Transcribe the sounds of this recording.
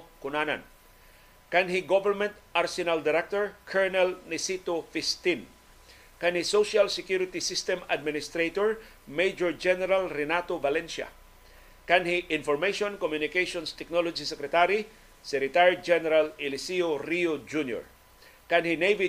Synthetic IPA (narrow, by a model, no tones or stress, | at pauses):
kʊnana̰n | kanɦiɡovɛɹmɛ̃nt̪ʔaɾsɪnald̪ɪɾɛk̚t̪ɔɹkʰɛɹnɛlnɛsit̪ofɪst̪in | kanhisoʃalsɛkjuɾɪt̪isist̪ɛma̰d̪̚mɪnɪst̪ɾet̪oɹ | mejd͡ʒɔɹd͡ʒɛnɛɾalɾɛnat̪ovalɛnsa̰ | kanhiʔɪ̃nfɔɹmejʃõnkomjʊnɪkejʃɔnst̪ɛk̚nolod͡ʒisɛkɾɛt̪aɾi | sɛkɾɪt̪aɹid͡ʒɛnɛɾalɪlɪsioɾiod͡ʒunjo̰ɹ | kanhinejvi